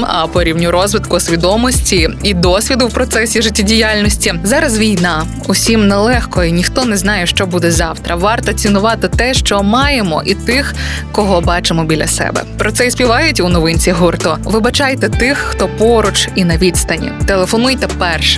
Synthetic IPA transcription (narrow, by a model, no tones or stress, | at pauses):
ɐ̰pɔɾʲiwnʲʊɾɔzʋɪt̪kʊsʲʋʲid̪ɔmɔsʲtʲiid̪ɔsʲʋʲid̪ʊwpɾɔt̪sɛsʲiʒɪtʲːɐdʲijalʲnɔsʲtʲizɑɾɐzʋʲijnɑ | ʊsʲimnɛlˠɛxkɔjinʲixt̪ɔnɛznɑjɛʃt͡ʃɔbud̪ɛzɑwt̪ɾɐʋɑrt̪ɐt͡sʲinʊʋɑt̪ɪt̪ɛʃt͡ʃɔmɑjemɔ̰ʔit̪ɪxkɔɦɔbɑt͡ʃɪmɔbʲilʲɐ̰sɛ̰bɛ̰pɾɔt̪sɛispʲiʋɑjʊtʲunɔʋɪnʲt͡sʲiɦurt̪ɔʋɪbɐt͡ʃɑjt̪ɛt̪ɪxːt̪ɔpɔɾʊt͡ʃinɐʋʲit̪st̪ɐnʲḭt̪elˠefɔnujt̪ɛpɛrʃɛ̥